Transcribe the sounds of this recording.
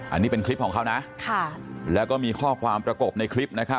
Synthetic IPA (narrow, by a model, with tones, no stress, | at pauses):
ʔʔa̰˧nːiː˦˥pe˧nkʰli˦˥p̚kʰːɔː˩˦ŋʰa˦˥wna˦˥ʔkʰa˥˩lɛ˦˥wkɔː˥˩miː˧kʰɔː˥˩kʰwaː˧mpɾa˧ko˨˩p̚na˧jkʰli˦˥p̚na˦˥kʰa˦˥p̚